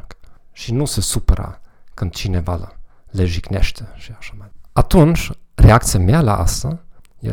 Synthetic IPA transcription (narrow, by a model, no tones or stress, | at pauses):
kʃinusesupəɾa̰ | kɨnt̪t͡ʃineva̰lə̰ | leʒiknḛʃt̪eʃiaʃamaat̪unt͡ʃreakt̪sijameala̰ʔa̰st̪əjḛ